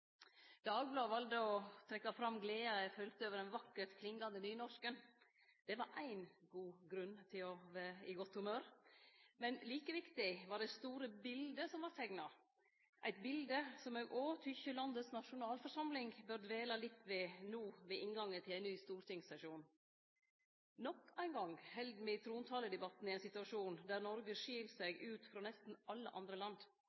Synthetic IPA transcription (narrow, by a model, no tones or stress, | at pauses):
d̪̥ɑːɡ̚blɑːʋɑld̪əɔt̪ʰɾɛkːɑfɾɑmɡleːɑɛfœlt̪əøːʋəɾɛnʋɑkːəʈkʰlɪŋɡɑnd̪ənyːnɔʂkən | d̪̥ɛʋɑɾʔæɪnɡuːɡɾʉnːt̪ʰɪlɔʋæːɾɪɡɔt̪ːhʉmøːɾ | mɛnliːkəʋɪkt̪ɪʋɑɖɛst̪uːɾəbɪld̪əsɔmʋɑɾt̪ʰɛŋnɑ | ʔæ̰ɪt̪bɪld̪əsɔmøːɡʔoːʈ̪ʰʏçəlɑnd̪əsnɑʂʊnɑːlfɔɾʂɑmlɪŋbœɾd̪ʋeːlɑlɪt̪ːʋɛnuːʋɛʔɪnɡɑŋːət̪ʰɪlæɪnyːst̪uːɾt̪ʰɪŋsɛʂuːn | nɔkʰːæɪnɡɑŋhɛld̪mɪt̪ʰɾuːnt̪ʰɑləd̪ɛbɑt̪n̩ɪæɪnsɪt̪ʉɑʂuːnd̪æɾnɔɾɡəʂiːlsæɡʔʉːt̪fɾɑːnɛst̪n̩ɑlːə̰ʔɑ̰nd̪ɾəlɑnd̪